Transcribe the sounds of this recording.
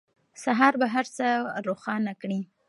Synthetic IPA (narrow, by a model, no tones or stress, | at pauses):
saɦɑɾbaɦaɾt͡səɾoxɑnakɽi